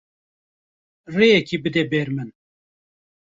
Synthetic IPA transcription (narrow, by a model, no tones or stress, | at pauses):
reːjɛkʰibɨd̪ɛbeːɾmɨn